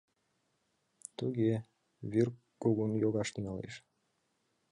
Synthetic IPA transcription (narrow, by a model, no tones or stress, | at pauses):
t̪uɣe | βir | kuɣunjoɣɑʃt̪yŋɑlḛʃ